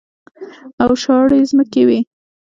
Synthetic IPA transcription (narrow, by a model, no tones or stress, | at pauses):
awʃɑɽezməkewi